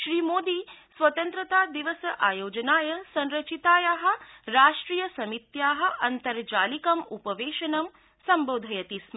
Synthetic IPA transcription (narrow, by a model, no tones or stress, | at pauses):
ʃɾiːmoːd̪iːsʋɐt̪ɐnt̪ɾɐt̪aːd̪iʋɐsɐʔaːjoːd͡ʒɐnaːjɐsɐ̃nɾɐt͡ʃit̪aːjaɦɐ̆ɾaːʂʈɾiːjɐsɐmit̪jaːɦɐ̆ʔɐnt̪ɐɾd͡ʒaːlikɐmupɐʋeːʃɐnɐm | sɐmboːd̪ʱɐjɐt̪ism